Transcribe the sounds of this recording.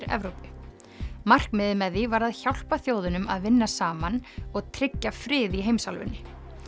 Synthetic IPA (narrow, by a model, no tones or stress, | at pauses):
ɾɛ̰vɾowpʏ | mar̥kmɪðɪmɛðːivaɾaðçawl̥paθjoːwðʏnʏmaðvɪnːasaːmanɔɣt̪ʰɾɪcːafɾɪːðiɦeːjmsalvʏ̰nːɪ